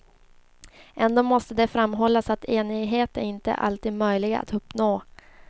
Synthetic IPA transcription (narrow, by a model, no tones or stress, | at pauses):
ʔɛnd̪oːmɔst̪əd̪ɛfɾamːɦɔlːasat̪ʰeːnɪɡɦeːt̪æɾɪnt̪ə̰ʔa̰lt̪iːd̪mœjlɪɡa̰a̰t̪ʰɵpːnoː